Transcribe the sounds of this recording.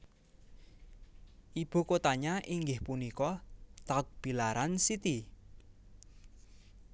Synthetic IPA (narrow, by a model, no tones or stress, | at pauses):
ʔib̥o̤kot̪aɲaʔiŋɡɪhpunikɔt̪ak̚b̥i̤laɾansit̪i